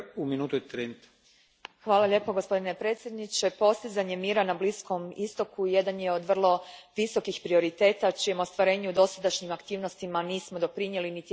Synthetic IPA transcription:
uminuːt̪uet̪ɾent̪ | xʋaːlaʎe̞po̞ɡospo̞d̪ine̞pɾe̞t̪sʲjed̪nit͡ɕe̞po̞st̪izaɲe̞miːɾanablisko̞mḭst̪o̞kuje̞d̪anje̞o̞d̪ʋr̩lˠo̞ʋiso̞kixpɾio̞ɾit̪e̞ːt̪at͡ʃijemost̪ʋaɾe̞ːɲeud̪o̞sad̪aʃɲimakt̪iːʋnost̪imaniːsmo̞d̪o̞pɾiɲje̞linit̪

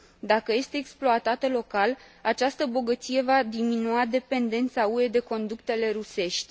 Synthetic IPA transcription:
d̪akəje̞st̪e̞ːksploat̪at̪əlo̞kalat͡ʃast̪əbo̞ɡət̪sije̞vad̪iminuad̪e̞pe̞nd̪e̞nt̪saue̞d̪e̞ko̞nd̪ukt̪e̞le̞ɾuse̞ʃt̪ʲ

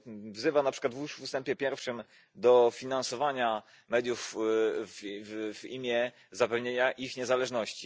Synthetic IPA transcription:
vzɘvanapʂɘ̥kwad̪vwuʂust̪ɛmpʲjɛpʲjɛɾfʂɘm | d̪ɔfʲinansɔvaɲa | mɛd̪ʲjufvvimʲjɛ | zapɛvɲeɲaʔixɲɛzalɛʐnɔɕt͡ɕi

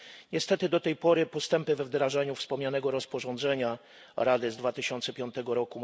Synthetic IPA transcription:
ɲɛst̪ɛt̪ɘd̪ɔt̪ɛjpɔɾɘpɔst̪ɛmpɘvɛvd̪ɾaʐaɲufspɔmɲanɛɡɔɾɔspɔʐɔ̃nd̪zɛɲa | ɾad̪ɘzd̪vat̪ɘɕɔnt̪sɛpʲjɔnt̪ɛɡɔɾɔku

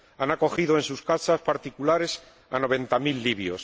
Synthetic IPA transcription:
anako̞xiðoe̞nsuskasaspaɾt̪ikulaɾe̞s | a̰no̞β̞ẽ̞nt̪amilːiβjo̞̰s

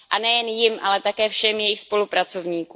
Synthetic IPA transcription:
ʔanɛjɛnjɪmʔalɛt̪akɛːfʃɛmjɛjɪxspo̞lupɾat͡so̞vɲiːku

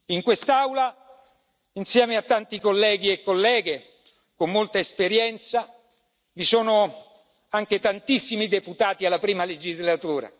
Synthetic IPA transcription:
iŋkwest̪awla | insjɛːmeat̪ːant̪ikolːɛːɡiekːolːɛːɡe | komːolt̪aespeɾjɛnt̪sa | visoːno | aŋk̟et̪ant̪isːimid̪eput̪aːt̪ialːapɾiːmaled͡ʒizlat̪uːɾa̰

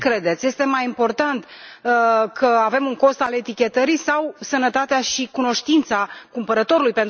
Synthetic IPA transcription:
kɾe̞d̪e̞t̪sje̞st̪e̞majimpo̞rt̪ant̪ | kʰəave̞muŋko̞st̪ale̞t̪ikʲe̞t̪əɾisawsənət̪at̪eaʃikuno̞ʃt̪int̪sakumpəɾət̪o̞ɾulujpe̞nt̪

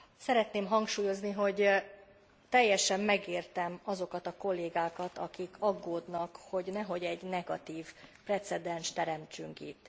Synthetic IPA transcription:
sɛɾɛt̪neːmɦɒŋkʃuːjo̞zniɦo̞ɟ | t̪ɛjːɛʃɛmːɛɡeːrt̪ɛmɒzo̞kɒt̪ɒko̞lːeːɡaːkɒt̪ɒkikʰɒɡːoːd̪nɒkho̞ɟnɛɦo̞ɟɛɟnɛɡɒ̰t̪iːvprɛt̪sɛd̪ɛnʃt̪ɛɾɛmt͡ʃyŋkḭt̪ː

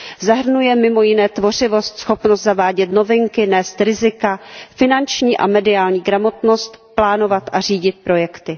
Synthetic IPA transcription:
zaɦr̩nujɛmɪmo̞jɪnɛːt̪vo̞r̝ɪvo̞st̪sxo̞pnost̪zavaːɟɛt̪no̞vɪŋkɪnɛːst̪ɾɪzɪkafɪnant͡ʃɲiːʔa̰mɛdɪaːlɲiːɡɾamo̞t̪no̞st̪plaːno̞vat̪ʔariːɟɪt̪̚pɾo̞jɛkt̪ɪ

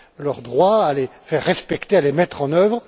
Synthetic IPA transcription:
lœʁd̪ʁwaalefɛʁːɛspɛkt̪ealemɛt̪χɑ̃nœvʁ

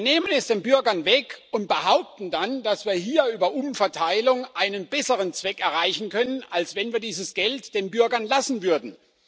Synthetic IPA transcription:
vneːmənɛsd̥eːnbʏɐɡɐnvɛkʊnt̚b̥əhaʊp̚tn̩dand̥asv̥iːɐɦiːɐyːbɐʔʊmfɛɐtʰaɪlʊŋʔaɪnənbɛsəʁ̞ənt͡sv̥ɛkɛɐʁaɪçn̩kʰœnənalsv̥ɛnviːɐdiːzəsɡ̥ɛltd̥eːnbʏɐɡɐnlasn̩vʏɐdn̩

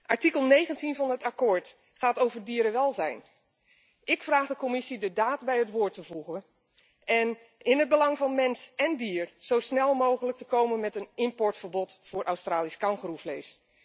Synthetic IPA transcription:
ʔaɹtikəlˠnejɣəntinvɑnɦətakoːɹt | χaːtowvəɹdiːɾəʋɛlˠzɛ̰jn | ʔɪkfraːχdəkomɪsidədaːtbɛjətʋʊːɹtəvuɣən | ʔɛn | ɪnəd̚bəlɑŋvɑnmɛnsɛndiːərz̥owsnɛlˠmowɣələk̚təkowmənmɛtənɪmpɔɹtfərbɔtfʊːrʔawstraːliskaŋχrufleːs

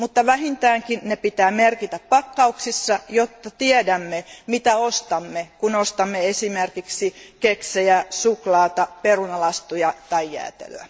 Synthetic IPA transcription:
mut̪ːɑʋæhint̪æːŋkinnepit̪æːmerkit̪æppɑkːɑuksisːɑjot̪ːɑt̪iɛdæmːemit̪æost̪ɑmːekunost̪ɑmːeesimerkiksikeksejæsuklɑːt̪ɑperunɑlɑst̪ujɑt̪ɑijːæ̰ːt̪ḛløæ̰

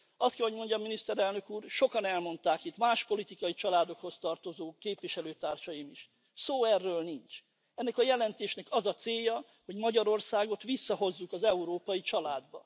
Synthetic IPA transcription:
ɒst̪kɛɦo̞ɟmo̞ɲɟɒminist̪ɛɾɛlnø̞kuːrʃo̞kɒnɛlmo̞nt̪aːkit̪maːʃpo̞lit̪ikɒjit͡ʃɒlaːd̪o̞kho̞st̪ɒrt̪o̞zoːkeːpvʋiʃɛløːt̪aːrʃɒjimiʃ | soːɛrːøːlnint͡ʃ | ɛnːɛkɒjɛlɛnt̪eːʃnɛkɒzɒt̪seːjːɒ | ho̞ɟmɒɟɒɾo̞rsaːɡo̞t̪ʋisːɒɦo̞zːukɒzɛuɾoːpɒjit͡ʃɒlaːd̪bɒ

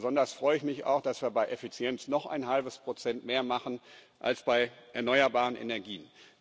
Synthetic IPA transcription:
zɔndɐstfʁ̥ɔʏɪçmɪça̰ʊxd̥asv̥iːɐbaɪʔɛfit͡sjɛnt͡snɔχʔa̰ɪnɦalbəspʁ̥ot͡sɛntmeːɐmaχn̩ | ʔa̰lsb̥aɪʔɛɐnɔʏɐbaːʁ̞ənʔḛnɛɐɡiːən

